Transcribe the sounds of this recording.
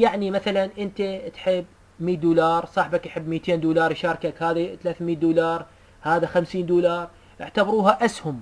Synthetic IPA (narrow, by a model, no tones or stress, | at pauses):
jaʕnimaθalanʔɪnt̪at̪ħɪbː | miːd̪uːlɑːɾˤsˤɑːħbakjħɪbːmiːt̪ʰeːnd̪uːlɑːɾˤjʃɑːɾˤkakhaːðat̪alaːθmiːt̪̚d̪uːlɑːɾˤ | haːðaxamsiːnd̪uːlɑːɾˤ | ʔɪʕt̪abɑɾuːɦaʔashʊm